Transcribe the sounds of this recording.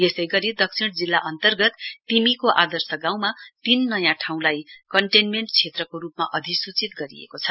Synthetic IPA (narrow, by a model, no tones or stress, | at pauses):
jesʌjɡʌɾid̪ʌksʰiɽ̃d͡zilːaʔʌnt̪ʌrɡʌt̪ːimikoʔad̪ʌrsʌɡãw̃mat̪inːʌjãʈʰaw̃lajkʌɳʈenmeɳʈt͡sʰet̪rʌkoɾupmaʔʌd̪ʱisut͡sit̪ɡʌɾḭḛkot͡sʰʌ